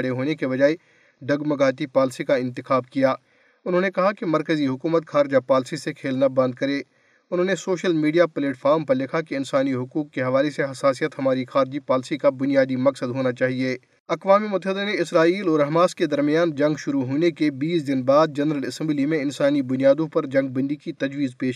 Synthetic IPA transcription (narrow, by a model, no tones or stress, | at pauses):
ɽeɦoːnekeʋɐd͡ʒaːe | ɖɐɡmɐɡaːt̪̬ipaːlsikaɪ̃nt̪ɪxaːbkijaː | ʊnɦõːnekɐɦakemɐɾkəziɦʊkuːmət̪xaːɾɪd͡ʒapaːlsisekʰeːlnabɐ̃nd̪̚kɐɾeː | ʊnɦõːnesoːʃəlmiːɖijapleːʈfʰaːɾmpɐɾlɪkʰakeɪnsaːniɦʊkuːkːeɦɐʋaːleseɦɐsaːsijət̪ɦɐmaːɾixaːɾɪd͡ʒipaːlsikabʊnjaːd̪imɐksəd̪ɦoːnat͡ʃaːɦieː | ɐkʋaːmemʊt̪əɦɪd̪aneɪsɾaːiːlɔːɾɐɦɐmaːsked̪ɐɾmɪjaːnd͡ʒɐ̃ŋɡʃʊɾuɦoːnekebiːsd̪ɪnbaːd̪̚d͡ʒɐnɾəlɪsɛ̃mblimẽɪnsaːnibʊnijaːd̪õpɐɾd͡ʒɐ̃ŋɡ̚bɐ̃nd̪ikit̪ɐd͡ʒʋiːzpeːʃ